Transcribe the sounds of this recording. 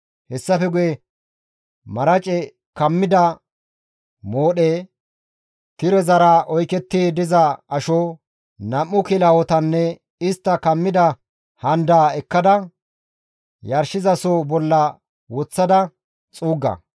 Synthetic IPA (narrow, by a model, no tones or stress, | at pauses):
hɛsːɐfɛɡʊjɛ | mɐɾɐt͡ʃʼɛ | kɐmːɪd̪ɐ | moːɗeː | t̪ɪɾɛzɐɾaːʔɔjkɛt̪ːeːd̪ɪzɐɐʃo | nɐmːʊkɪlɐwɔt̪ɐnːɛ | ɪst̪ːɐkɐmːɪd̪ɐ | hɐnd̪aːɛkːɐd̪ɐ | jɐɾʃɪzɐsoːbɔlːɐ | wɔt͡sːɐd̪ɐ | t͡sʼuːɡːɐ̰